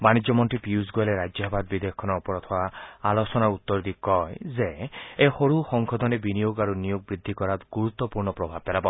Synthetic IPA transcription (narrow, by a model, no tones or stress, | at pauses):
banid͡ʒɔmɔnʈɾipiusɡoaleɾad͡ʒjɔɦbʱad̪̚bid̪eɔkʰɔnɔːpɔɾɔt̪ʰɔwaalɔsɔnaut̪ːɔɾd̪ikɔjzeehoɾuxɔŋkʰɔd̪ʱɔnebinijoɡaɾunijoɡ̚bɾid̪ʱːikɔɾat̪ɡuɾut̪ːɔpuɾnɔpɾɔbʱab̚pelabɔ